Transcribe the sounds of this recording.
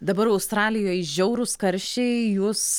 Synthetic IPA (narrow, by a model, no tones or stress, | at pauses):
d̪ɐbɐɾɐʊst̪ɾɑːlʲɪjoːjʒʲɛʊɾʊskɐɾʲʃʲt͡ʃʲɛɪjʊs